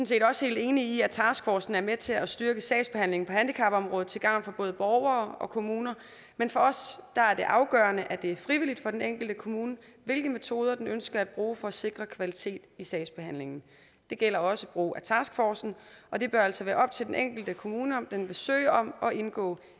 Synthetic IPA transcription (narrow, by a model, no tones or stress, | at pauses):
sn̩se̝̰ːd̥ɒ̽she̝̰ːld̥e̝ːniːæt͡sʰɑ̈ːsɡ̥fɒːsn̩æɐmet͡sʰe̝læsd̥yɐɡ̥əsɛɪsb̥e̝hæn̰le̝ŋn̩pʰɒ̽hænd̥ikʰɑ̈b̥ɒ̽mʁɔ̽ːð̞̩ˠt͡sʰe̝ɡ̥ɑ̈ʊŋ̰nfɒ̈b̥ɔ̽ːð̞̩ˠb̥ɒʊɐːɒ̽kʰo̝muːnɐ | menfɒ̽ɒ̽sd̥ɑ̈æɐd̥e̝ʔɑ̈ʊɡ̥œːɐnəʔæd̥e̝æɐfʁiʋilid̥fɒ̽d̥eneŋ̰ɡ̥l̩d̥əkʰo̝muːnəʋe̝lɡ̥əme̝t͡sʰo̝ːð̞ˠɐd̥enønsɡ̥ɐæd̥̚b̥ʁuːfɒ̽se̝ɡ̥ʁɐkʰʋælit͡sʰe̝̰ːd̥isɛɪsb̥e̝hæn̰le̝ŋn̩ | d̥e̝ɡ̥el̰ɐɒ̽səb̥ʁṵːæt͡sʰɑ̰̈sɡ̥fɒːsn̩ʔɒ̽d̥e̝b̥ɶɐæl̰sɒʋæːɐɒ̽b̥̚t͡sʰe̝ldenʔeŋ̰ɡ̥l̩d̥əkʰo̝muːnəɒmd̥enʋe̝sø̰ːɪɐɒ̽mɒ̽ʔe̝nɡ̥ɔ̰ː